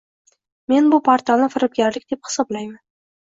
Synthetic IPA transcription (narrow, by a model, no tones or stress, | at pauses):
me̞nbʊpʰaɾt̪ʰalˠnɪfɪɾɪp̚ɡʲaɾlɪkʲd̪ephɪ̥sɒblajman